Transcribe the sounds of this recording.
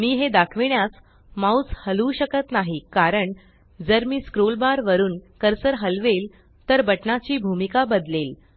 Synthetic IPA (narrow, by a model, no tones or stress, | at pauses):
miːɦed̪akʰʋiɳjas | maut͡shəluːɕəkət̪naɦikaɾəɳ | d͡zəɾmiːskɾolbaɾʋəɾuːnkəɾsəɾɦəlʋel | t̪əɾbəʈnat͡ɕiːbʱumikabəd̪lel